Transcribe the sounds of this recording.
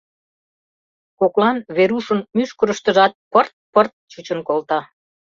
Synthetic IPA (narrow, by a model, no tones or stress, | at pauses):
koklɑnβeɾuʃə̆nmyʃkəɾəʃt̪əʒɑt̪̚pərt̪̚pərt̪̚t͡ɕut͡ɕənkolt̪ɑ